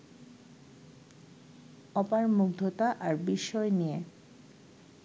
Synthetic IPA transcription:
ɔpaɾmuɡd̪ʱot̪aʔaɾbiʃːɔenije

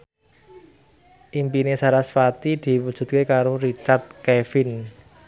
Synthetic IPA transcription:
ʔimpinesaɾasfat̪id̪̥i̤wud̥ʒ̥ṳt̪̚kekaɾoɾit͡ʃart̪̚kefɪn

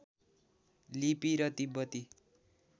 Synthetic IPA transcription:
lipiɾʌt̪ibʌt̪i

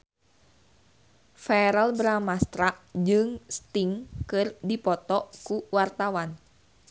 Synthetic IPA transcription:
faɾəlbɾamast̪ɾaʔd͡ʒɨŋst̪iŋkɨrdipɔt̪ɔʔkuwart̪awan

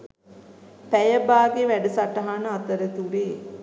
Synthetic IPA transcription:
pæjəbaːɡeʋæɖəsaʈəɦanəat̪əɾət̪uɾeː

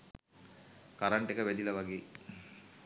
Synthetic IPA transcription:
kaɾaɳʈekəʋæd̪iləʋaɡeː

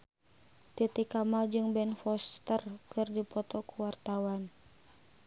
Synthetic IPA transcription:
t̪it̪ikamald͡ʒɨŋbɛnfɔst̪ərkʰɨrdipɔt̪ɔkuwart̪awan

